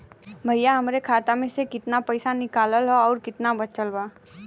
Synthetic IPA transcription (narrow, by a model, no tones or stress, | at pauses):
bʱəjaɦɐmɾekʰaːt̪amẽsekɪt̪napəɪsanɪkaːləlɦoɔːɾkɪt̪nabət͡ʃəlbaː